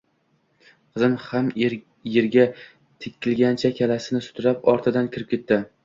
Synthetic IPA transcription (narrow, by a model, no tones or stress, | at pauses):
qʰɨzɪmham | jeɾɡʲa | t̪ʰɪkʲʰːɪlɡʲant͡ʃʰakʲʰalasɪnɪsʊ̥t̪ʰʊɾapɒɾt̪ʰɪd̪ankʲʰɪɾɪp̚kʲʰe̞t̪ːɪ